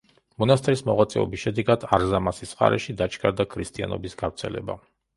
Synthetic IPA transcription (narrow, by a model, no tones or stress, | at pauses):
mɔnast̪ʼɾismɔʁat̪sʼɛɔbisʃɛd̪ɛɡad̪̥aɾzamasisχa̰ɾɛʃid̪at͡ʃʰɡʰʼaɾd̪akʰɾist̪ʼia̰nɔ̰bisɡavɾt̪sʰɛlɛ̰ba